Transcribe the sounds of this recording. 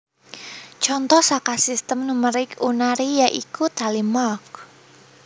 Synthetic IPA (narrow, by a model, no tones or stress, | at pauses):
t͡ʃɔnt̪ɔhsakasist̪əmnuməɾɪkunaɾijaʔikut̪alimɔk̚